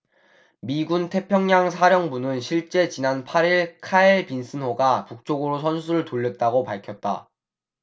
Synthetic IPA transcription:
miɡuntʰe̞pʰjʌŋɲaŋsʰaɾjʌŋbunɯnɕʰiɭt͡ɕ͈e̞t͡ɕinanpʰaɾiɭkʰaeɭpinsʰɯnɦoɡapuk̚t͡ɕ͈oɡɯɾosʰʌnsʰuɾɯɭtoʎːʌt̚t͈aɡopaɭkʰjʌt̚t͈a̰

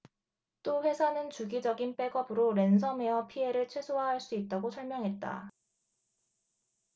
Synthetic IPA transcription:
t͈oɸwe̞sʰanɯnt͡ɕuɡid͡ʑʌɡinp͈e̞ɡʌbɯɾoɾe̞ns̬ʰʌme̞ʌpʰie̞ɾɯɭt͡ɕʰwe̞sʰoɦaɦaɭs͈uit̚t͈aɡosʰʌɭmjʌŋɦe̞t̚t͈a̰

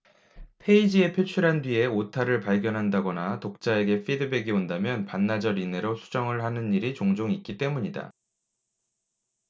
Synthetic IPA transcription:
pʰe̞id͡ʑie̞pʰjot͡ɕʰuɾɦandɥie̞otʰaɾɯɭpaɭɡjʌnɦandaɡʌnatok̚t͡ɕ͈ae̞ɡe̞pʰidɯbe̞ɡiondamjʌnpanːad͡ʑʌɾine̞ɾosʰu̥d͡ʑʌŋɯɭhanɯnːiɾit͡ɕoŋd͡ʑoŋik͈it͈e̞muɲida̰

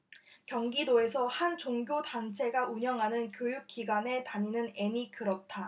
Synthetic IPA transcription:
kjʌŋɡidoe̞sʰʌhant͡ɕoŋɡjotant͡ɕʰe̞ɡauɲʌŋɦanɯnkjojuk̚k͈iɡwane̞taɲinɯne̞ɲikɯɾʌt̚t͈ʰa

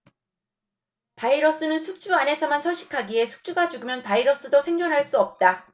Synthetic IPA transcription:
paiɾʌs͈ɯnɯnsʰuk̚t͡ɕ͈uane̞sʰʌmansʰʌɕ͈ʰi̥kʰaɡie̞sʰu̥k̚t͡ɕ͈uɡad͡ʑuɡɯmjʌnpaiɾʌs͈ɯdosʰe̞ŋd͡ʑʌnɦaɭs͈uʌp̚t͈a

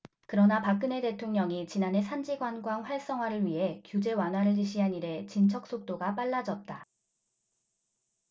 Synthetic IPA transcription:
kɯɾʌnapak̚k͈ɯne̞te̞tʰoŋɲʌŋit͡ɕinane̞sʰand͡ʑiɡwanɡwaŋɸwaɭs͈ʌŋɦwaɾɯɭɥiɦe̞kjud͡ʑe̞wanɦwaɾɯɭːiɕ̬ʰiɦaniɾe̞t͡ɕint͡ɕʰʌk̚s͈ok̚t͈oɡap͈aɭːad͡ʑʌt̚t͈a

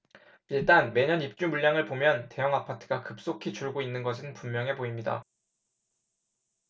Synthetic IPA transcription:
iɭt͈anme̞ɲʌnip̚t͡ɕ͈umuʎːaŋɯɭpomjʌnte̞jʌŋapʰatʰɯ̥ɡakɯp̚s͈okʰit͡ɕuɭɡoinːɯnɡʌs̬ʰɯnpummjʌŋɦe̞poimɲida̰

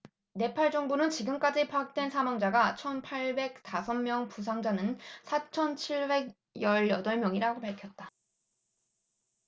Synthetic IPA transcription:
ne̞pʰaɭd͡ʑʌŋbunɯnt͡ɕiɡɯmk͈ad͡ʑipʰak̚t͈we̞nsʰamwaŋd͡ʑaɡat͡ɕʰʌnpʰaɭbe̞k̚t͈asʰʌmmjʌŋpus̬ʰaŋd͡ʑanɯnsʰat͡ɕʰʌnt͡ɕʰiɭbe̞ɡ | jʌɭjʌdʌɭmjʌŋiɾaɡopaɭkʰjʌt̚t͈a

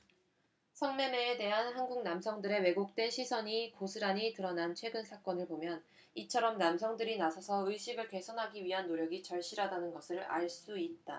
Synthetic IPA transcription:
sʰʌŋme̞meːde̞ɦanhanɡuŋ̚namsʰʌŋdɯɾe̞we̞ɡok̚t͈we̞nɕʰisʰʌɲikosʰɯɾaɲitɯɾʌnant͡ɕʰwe̞ɡɯnsʰak͈ʌnɯɭpomjʌn | it͡ɕʰʌɾʌmnamsʰʌŋdɯɾinasʰʌsʰʌɯiɕ͈ʰiɡɯɭke̞sʰʌnɦaɡiɥiɦanːoɾjʌɡit͡ɕʌɭɕ͈iɾadanɯnɡʌsʰɯɾa̰ɭs͈uit̚t͈a

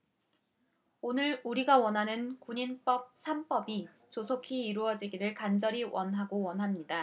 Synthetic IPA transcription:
onɯɾuɾiɡawʌnɦanɯnkuɲinp͈ʌp̚sʰamp͈ʌbi | t͡ɕosʰokʰiːɾuʌd͡ʑiɡiɾɯɭkand͡ʑʌɾiwʔʌnɦaɡowʌnɦamɲida

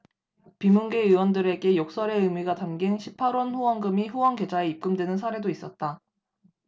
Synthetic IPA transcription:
pimunɡe̞ɯwʌndɯɾe̞ɡe̞jok̚s͈ʌɾe̞ɯmiɡatanɡinɕʰipʰaɾwʌnɸuwʌnɡɯmiɸuwʌnɡe̞d͡ʑaeip̚k͈ɯmdwe̞nɯns̬ʰaɾe̞dois͈ʌt̚t͈a

